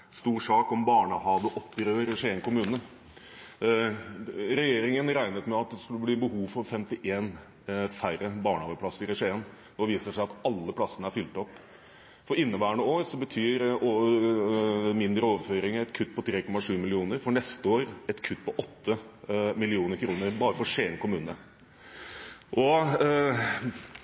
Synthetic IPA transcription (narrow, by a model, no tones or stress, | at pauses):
st̪uːɾʂɑːkɔmbɑːɳəhɑːʋəʔɔpːəɾøːɾɛʂeːŋkʰʊmʉːnə | ɾɛjeːɾɪŋənɾæɪnət̪mɛɑt̪̚d̪ɛskʉlːəbliːbəhuːʋfɔɾfɛmt̪ɪʔeːn | færəbɑːɳəɑːʋəplɑsəɾɪɾɛʂeːn | nɔɛʋiːsəʂæɪɑt̪ɑlːəpʰlɑsːənəæɾfʏlt̪əɔpː | fɔɾɪnːəbæːəɳəoːɾsɔbət̪ʰyːɾo | mɪnd̪ɾəɔːʋəføːɾɪŋɛt̪kʰʉt̪ːpʰɔt̪ʰɾeːkɔmːɑʂʉːmɪlɪuːnəɾfɔɳɛst̪əoːɾɛt̪kʰʉt̪ːpʰɔʔɔt̪ʰːəmɪlɪuːnəɾkʰɾuːnəɾbɑːɾəfɔɾʂeːnkʊmʉːnə | ʔɔ